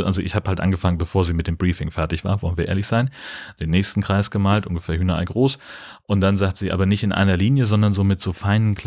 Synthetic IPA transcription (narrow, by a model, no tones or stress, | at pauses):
ʔalzoʔɪçhaːbəhaltʔa̰nɡəfaŋənbəfoːɐziːmɪt̚d̥eːmbʁiːfɪŋfɛɐtɪçv̥aːɐvɔlən̩viːɐḛːɐlɪçz̥aɪnd̥eːnːɛːçstn̩kʁ̥aɪsɡ̥əmaːltʔʊ̰nɡəfɛːɐɦyːnaʔa̰ɪɡʁoːsʔʊnt̚d̥anzaːktəz̥iːʔa̰ːbɐnɪçtɪnʔa̰ɪnɐliːnjəzɔndɐnzoːmɪtz̥oːfaɪnənkʰl̥